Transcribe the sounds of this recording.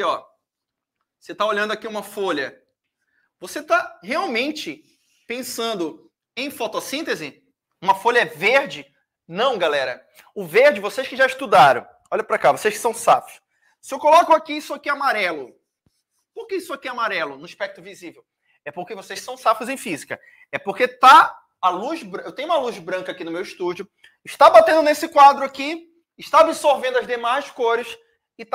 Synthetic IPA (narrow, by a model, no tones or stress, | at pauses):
ɔ | oset̪aoʎɐ̃nd̪ʊakiũmɐfoʎɐ | voset̪aheawmẽnt͡ʃɪ | pẽsɐ̃nd̪ʊ | ẽj̃fɔt̪osĩt̪ezɪ | ũmɐfoʎɐɛveɾd͡ʒɪ | nɐ̃w̃ɡalɛɾɐ | ʊveɾd͡ʒɪvoseʃkɪʒaiʃt̪ud̪aɾɐ̰̃w̃ | ɔʎɐpɾakavoseʃkɪ̥sɐ̃w̃safʊ̥ʃ | sɪewkolɔkʊakiisʊakiamaɾɛlʊ | poɾkeisʊakiamaɾɛlʊnʊiʃpɛk̚t̪ɾʊvizivew | ɛpoɾkevosessɐ̃w̃safʊzẽj̃fizikɐ | ɛpoɾket̪a | aluzbɾewt̪ẽj̃ũmɐluzbɾɐ̃kɐakinʊmewiʃt̪ud͡ʒʊ | ɪʃt̪abat̪ẽnd̪ʊnesɪkwad̪ɾʊaki | ɪʃt̪aabisoɾvẽd̪ʊɐzd̪emajskoɾɪs | ɪt̪